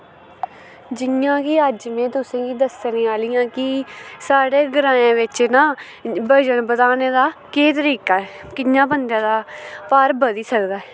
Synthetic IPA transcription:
d͡ʒɪjãːkiəd͡ʒmẽːt̪ʊsẽːɡiːd̪əsnẽːaːlɪjãːkɪsaːɽeːɡəɾãːãːʋɪt͡ʃnãː | bəd͡ʒənbət̪aːnẽːd̪aːkeːt̪̬əɾiːkaːɛkɪjãːpənd̪jãːd̪aːpaːɾbəd̪iːsəkd̪aːɛː

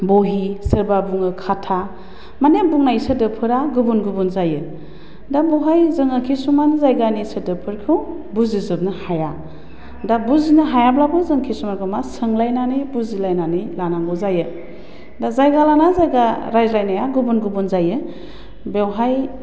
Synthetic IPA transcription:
boɦisəɾbabuŋɯkʰatʰa | manebuŋnajsədɯpʰɯɾaɡubunɡubunzajɯ | dabɔwɦajzɯŋɯkʰisumanzajɡanisədɯpʰɯɾkʰu | buzizɯbnɯhaja | dabuzinɯɦajablabɯzɯŋkʰisumanɡʰɯmasɯŋlajnanibuzilajnanilanaŋɡɔzajɯ | dazajɡalanazajɡaɾajzlajnajaɡubunɡubunzajɯ | bewɦaj

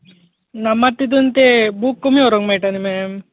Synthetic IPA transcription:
nɐmːat̪ːid̪unt̪ebuːkːumioɾoŋmajʈanimem

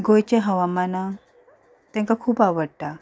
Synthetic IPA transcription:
ɡojt͡ɕeɦəʋamana | t̪ɛ̃ŋkakʰuːpaʋəɽʈ̪a

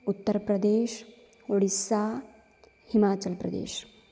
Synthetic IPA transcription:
ut̪ːəɾpɾɐd̪eːʃ | oɽisːaː | himaːt͡ʃɐlpɾɐd̪ḛːʃ

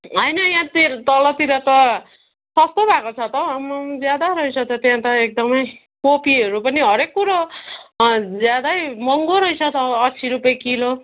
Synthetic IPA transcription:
ɦʌjnʌjãt̪it̪ʌlʌt̪iɾʌt̪ʌ | sʌst̪obʱakot͡sʰʌt̪ʌmʌd͡zjad̪aɾʌit͡sʰʌt̪ʌt̪jãt̪ʌek̚d̪ʌmʌj | kopiʌɾupʌniɦʌɾekːuɾo | d͡zjad̪ajmʌŋɡoɾʌit͡sʰʌt̪ʌːt͡sʰiɾupjekilo

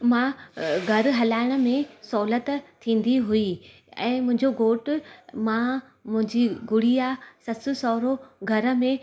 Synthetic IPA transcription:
mãɡʱɐɾ̆ɦɐlaːɪɽ̃ə̆mẽsɔːlət̪t̪ʰĩːn̆d̪iɦui | ɛ̰̃ːmʊ̃ɦɪ̃ɲd͡ʑoɡoːʈmã | mʊ̃ɦɪ̃ɲd͡ʑiɡʊɽ̤iaːsɐsʊsɔːɾoɡʱɐɾə̆mẽ

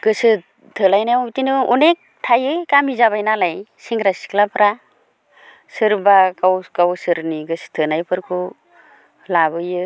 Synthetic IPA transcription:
ɡ̥ɯsɯ | tʰɯlajnajbitinɯɔnek̚tʰajɯjkamizaβajnalajsiŋɡɾasi̥klapʰɾa | sɯɾbakawkawsɯɾniɡɯsɯ̥tʰɯnajpʰɯɾkʰu | labɯjɯ

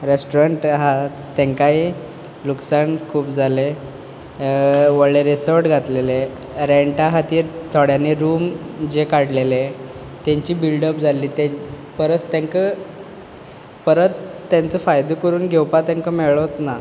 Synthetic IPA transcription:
ɾesʈuɾaɳʈɦa | t̪eŋkaɦi | luksankʰuːpd͡zʱale | ʋəɭeɾesəɾʈɡʱat̪lele | ɾeɳʈaɦat̪iːɾt̪ʰɔɽjaneɾuːmd͡ʑekaɽlele | t̪aɲt͡ɕiːbilɖəpd͡zʱaliːt̪e | pəɾət͡st̪ãŋkə | pəɾət͡s̪ːant͡sɔfajd̪okəɾuːnɡʱewpat̪ãŋkəmeɭot̪na

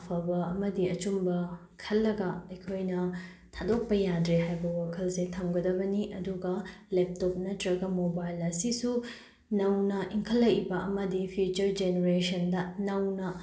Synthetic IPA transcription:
pʰɐbɐɐmɐdiɐt͡ʃumbɐ | kʰɐlːɐɡɐɐjkʰojnɐ | tʰadok̚pɐjadɾeɦajbɐwakʰɐlsetʰɐmɡɐdɐbɐniʔɐduɡɐlep̚top̚nɐtɾɐɡɐmobajlɐsisu | nɐwnɐʔiŋkʰɐlːɐjibɐɐmɐdipʰijut͡ʃɐɾd͡ʒeneɾesɐndɐnɐwnɐ

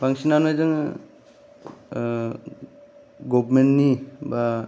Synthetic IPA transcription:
pʰaŋsinanojzɯŋ | ɡɔbmenniba

